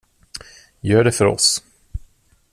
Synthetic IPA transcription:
jœːɖɛfœɾɔ̰s

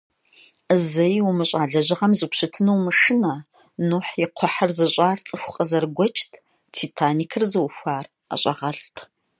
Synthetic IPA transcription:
zɐjwumɨɕʼaːɮɐʑɨʁɐmzɨkʷɕɨtʰɨnuwmɨʂɨnɐ | nuħjɪqʷʰɔħɐrzɨɕʼaːrt͡sʼɨxʷʊqʼəzɐrɡʷɔt͡ʃʼtʰ | tʰitʰaːnikʰɨrzɨwufʷaːr | ɐ̰ɕʼɐ̰ʁɐɬtʰ

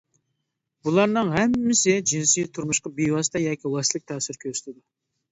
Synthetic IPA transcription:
bulˠɑɾnɨŋɦæmːɪsɪd͡ʒinsijt̪ʰʊɾmʊʃqɑbijwɑst̪ɑjɑkʲiwɛslˠɪk̚ʲt̪ʰæːsɪɾkʲʰøɾsɪ̥t̪ʰɪd̪ɪ

